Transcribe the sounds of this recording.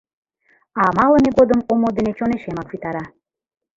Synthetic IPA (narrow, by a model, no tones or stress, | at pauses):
ɑmɑlə̆meɡod̪ə̆momod̪ĕnet͡ɕoneʃemɑkfit̪ɑɾɑ